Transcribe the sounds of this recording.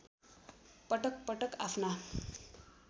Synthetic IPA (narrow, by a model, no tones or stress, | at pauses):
pʌʈʌk̚pʌʈʌka̰pʰna